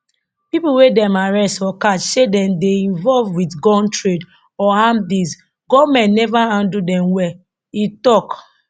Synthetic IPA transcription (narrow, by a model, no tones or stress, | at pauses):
pipuwedɛ̃maɹɛstfɔkatʃedɛ̃mdeĩnvɔlvwitɡɔ̃ntɹed | ɔhãmbiz | ɡɔvmɛ̃ntnɛvaãndudɛ̃mwɛ | itɔk